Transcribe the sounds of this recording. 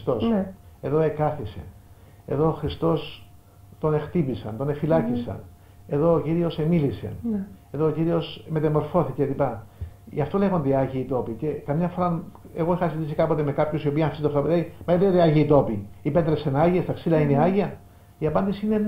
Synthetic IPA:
st̪ose̞ðo̞e̞kɐθise̞̰ | e̞ðo̞ːxɾist̪o̞s | t̪o̞ne̞xt̪ipisɐ̰nt̪o̞nefilɐcisɐ̰n | eðo̞ːciɾio̞se̞milise̞̰eðoːciɾio̞sme̞t̪ɐmo̞ɾfo̞θicelipɐʝɐft̪o̞le̞ɣo̞nd̪eiɐʝiit̪o̞pice̞kɐmɲɐfo̞ɾɐ | e̞ɣo̞exɐsit̪isikɐpo̞t̪e̞me̞kɐpçosio̞piɐnfisit̪oft̪opt̪eimɐet̪eeɐʝiːt̪o̞piipet̪ɾepsenɐʝiest̪ɐksilɐineɐʝiɐ | iɐpɐnd̪isiine

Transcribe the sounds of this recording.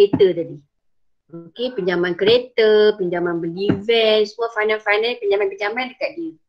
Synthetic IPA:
et̪ət̪adi | okepəɲd͡ʒamankəɾet̪əpəɲd͡ʒamanbəlivɛnsəmuafajnalfajnapəɲd͡ʒamanpəɲd͡ʒamandəkat̪̚diə

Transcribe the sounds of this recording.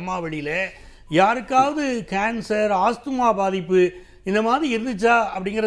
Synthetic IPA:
mːaːʋɐɽɪjɪle | jaːɾɯkːaːʋɐðɯkaːnsɐɾaːst̪ɯmaːbaːðɪpːɯ | ɪnd̪ɐmaːðɾiɪɾɯnd̪ɯt͡ʃːaːɐpːɐɽɪŋɡɐɾɐ

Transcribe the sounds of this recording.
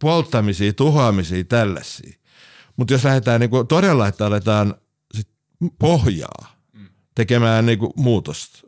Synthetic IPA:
polt̪ːɑmisiːt̪uhɑmisiːt̪ælːæ̰sˑḭː | mut̪joslæhet̪æːnniːŋkut̪odelːɑet̪ːɑlet̪ɑːn | sit̪ | pohjɑ̰ː | t̪ekemæːnniːkṵmuːt̪ost̪

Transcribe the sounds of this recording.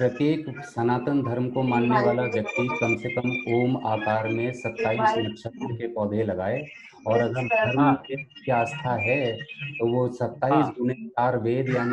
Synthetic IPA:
pɾət̪jeːksɐnaːt̪ənd̪ʱəɾmkomaːnːeʋaːlaʋjɐkt̪ikɐmsekəmoːmaːkaːɾmẽsɐt̪ːaːiːsnʊkʃət̪ɾəkepɔːd̪ʱelɐɡaːe | ɔːɾɐɡəɾd̪ʱɐɾme | iaːst̪ʰaɦɛt̪oʋosɐt̪ːaːisd͡ʒʊnekaːɾʋeːd̪jaːni

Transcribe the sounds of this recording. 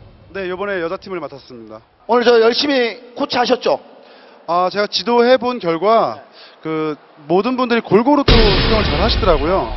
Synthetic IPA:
ne̞jobʌne̞jʌd͡ʑatʰimɯɭmatʰas͈ɯmɲida | onɯɭt͡ɕʌjʌɭɕ͈imikʰot͡ɕʰaɕ̬ʰʌt̚t͡ɕ͈o | at͡ɕe̞ɡat͡ɕidoɦe̞bonkjʌɭɡwakɯ | modɯnbundɯɾikoɭɡoɾot͈ʰosʰuɡjʌŋɯɭt͡ɕaɾɦaɕʰidɯɾaɡojo

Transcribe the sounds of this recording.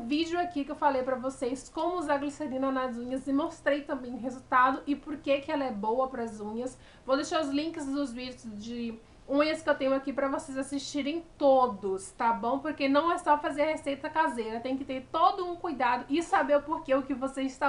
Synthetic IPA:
vid͡ʒʊakikewfalejpɾɐvosejskõmʊʊzaɡliseɾĩnɐnazũɲɐzɪmost̪ɾejt̪ɐ̃mbẽj̃ʊ̃ɦezut̪ad̪ʊʔɪpoɾkekɪɛlɐɛbowɐpɾɐzũɲɐs | vod̪eʃaɾʊzlĩŋkɪzd̪ʊzvid͡ʒʊsd͡ʒɪ | ũɲɐskɪewt̪ẽɲʊakipɾɐvosejzasiʃt͡ʃiɾẽj̃t̪od̪ʊst̪abõw̃poɾkenɐ̃w̃ɛsɔfazeɾɐhesejt̪ɐkazejɾɐt̪ẽj̃ʊkɪt̪eɾt̪od̪ʊũkujd̪ad̪ʊʔɪsabeɾʊpoɾkeʊkɪvosezɪst̪a

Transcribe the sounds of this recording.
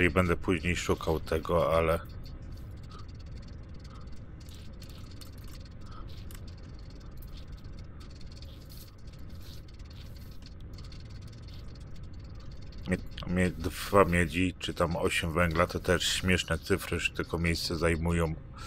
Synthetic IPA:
ɾibɛnd̪ɛpuʑɲejʂukʰawt̪ʰɛɡɔalɛ | mʲɛd̪vamʲjɛd͡ʑit͡ʂɘt̪amɔɕɛmvɛŋɡlat̪ɔt̪ɛʂɕmʲjɛʂnɛt̪sɘfɾɘʐɛ̥t̪ɘkɔmʲjejst̪sɛzajmujɔ̃w̃

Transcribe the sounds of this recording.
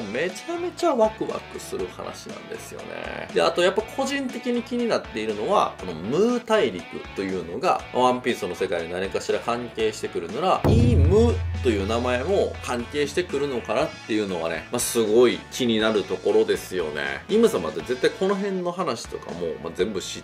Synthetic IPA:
me̞t͡ɕame̞t͡ɕaβakɯ̟βa̰kɯ̟̥sɨɾɯ̟ha̰na̰ɕinã̰nd̪e̞sɨjo̞̰nḛd̪ea̰t̪o̞japːaikʰo̞ʑĩnt̪e̞kʲiɲ̟ikʲiɲ̟inat̪ːe̞iɾɯ̟no̞βa̰ko̞no̞mɯ̟ːt̪aiɾʲikɯ̟̰t̪ːo̞jɯ̟ːno̞ɡa̰ma̰βãmpʲiːsono̞se̞kaiɲinaɲikaɕiɾakãŋke̞ːɕi̥t̪e̞kɯ̟ɾɯ̟naɾaiːmɯ̟ːt̪ːo̞jɯ̟ːnamae̞mo̞kãŋke̞ːɕi̥t̪e̞kɯ̟ɾɯ̟no̞kanat̪ːe̞jɯ̟no̞βa̰ne̞̰masɨɡo̞ikʲiɲ̟inaɾɯ̟t̪o̞ko̞ɾo̞d̪e̞sɨjo̞̰ne̞̰imɯ̟sama̰t̪eze̞t̪ːaiko̞no̞ɦẽ̞nːo̞ɦanaɕi̥t̪o̞ka̰mo̞̰ːma̰zẽ̞mbɯ̟ɕi

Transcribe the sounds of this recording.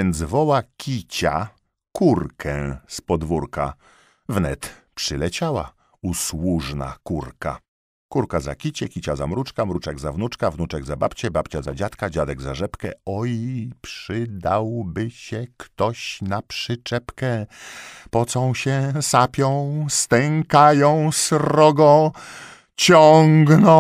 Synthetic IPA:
jɛnd̪zvɔwakʲit͡ɕa̰ | kuɾkʰɛ̃spɔd̪vuɾka | vnɛt̪ | pʂɘlɛt͡ɕawa̰ | uswuʐna̰kuɾka | kuɾkaza̰kʲit͡ɕɛkʲit͡ɕazamɾut͡ʂkamɾut͡ʂɛɡzavnut͡ʂkavnut͡ʂɛɡzabapt͡ɕɛbapt͡ɕazad͡ʑat̪kad͡ʑad̪ɛɡzaʐɛpkɛ̰ɔipʂɘd̪awbɘɕɛkt̪ɔɕnapʂɘt͡ʂɛpkɛ | pɔt̪sɔ̃w̃ɕɛsapʲjɔ̃w̃st̪ɛŋkajɔ̃w̃sɾɔɡɔ̃ | t͡ɕɔŋɡnɔ̃

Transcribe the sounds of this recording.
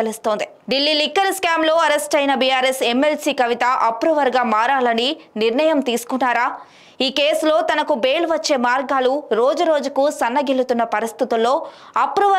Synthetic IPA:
elist̪o̞ːnd̪i | ɖilːilikːɐlskaːmlo̞ːɐɾesʈɐjnɐbijaːɾeseme̞lsiːkɐʋit̪ɐʔɐpːɾuʋɐɾɡaːmaːɾaːlɐniniɾɳɐjɐmt̪iːsu̥kunːaːɾaː | iːkeːslo̞ːt̪ɐnɐkube̞ːlʋɐt͡ʃːe̞ːmaːɾɡaːluɾoːd͡ʒuɾo̞ːd͡ʒukusɐnːɐɡilːut̪unːɐpɐɾist̪it̪ɐmlo̞ː | ɐpːɾuʋɐ

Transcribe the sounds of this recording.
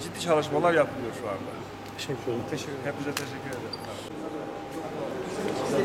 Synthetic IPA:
d͡ʒid̪ːiːt͡ʃʰalˠɯʃ̬malˠaɾjapʰɯlˠɯjo̞ɾʃuand̪a | ʃɛhɛp̚mizʲɛt̪ʰeʃ̬ɛcʰːyɾed̪eɾʰa

